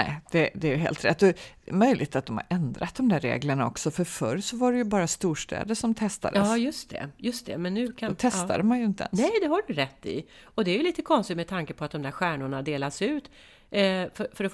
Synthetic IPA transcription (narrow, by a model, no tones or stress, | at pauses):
nɛ̰ɪd̪̥ɛd̪ɛæɾjɵɦḛːlt̪ɾɛ̰t̪ːɔɛmœjlʔɪ̰ɡt̪at̪̚d̪ɔmha̰ɾʔɛnd̪ɾat̪̚d̪ɔmd̪æɾḛːɡləɳaɔksɔfœɾfœ̰ɾsɔvaɖɛjɵbɑːɾast̪uːʂʈɛ̰ːd̪əʂɔmt̪ʰɛst̪a̰d̪ɑːjɵst̪ʰɛ̰jɵst̪ʰɛ̰mɛnːʉ̟ːk̪ʰt̪ʰɛsa̰d̪əmanjɵɪnt̪əɛ̰nsɛjd̪ɛɦaɖɵɾɛt̪ːɪ̰ɔd̪ɛæɾjɵliːt̪əkʰɔnst̪ɪt̪mɛt̪ʰaŋkəpʰɔat̪̚d̪ɔmd̪æɾɧæːɳʊɳad̪eːlasʉ̟ːt̪ | fœfœɾɔ